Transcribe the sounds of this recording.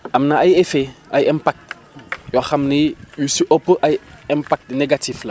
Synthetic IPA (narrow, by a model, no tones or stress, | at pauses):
ʔamnaajefeʔajɛmpak̚t | jɔxamnijusiʔopːəʔajɛmpak̚tneɡatiflɐ